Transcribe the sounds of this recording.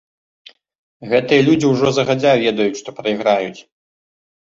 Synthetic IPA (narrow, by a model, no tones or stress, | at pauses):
ɣɛt̪ɨjɐlʲud͡zʲiwʐɔzɐɣad͡zʲavʲɛd̪ɐjut͡sʲʂt̪ɔpɾɐiɣɾajut͡sʲ